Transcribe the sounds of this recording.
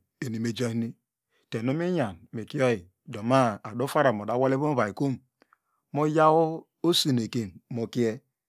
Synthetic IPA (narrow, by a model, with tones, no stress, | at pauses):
e˨ni˨me˨d͡ʒa˦ni˦ | te˨no˦mi˦ɲa˨nme˨ki˦o˦ji˨ | do˨ma˦a˨do˦fa˦ɾa˨mo˨da˨˦wa˦le˦βo˦ba˨i˨ko˦m˨ | mo˦ja˦wo˦ | o˦si˨ne˨ke˨nmo˨ki˦ɛ˦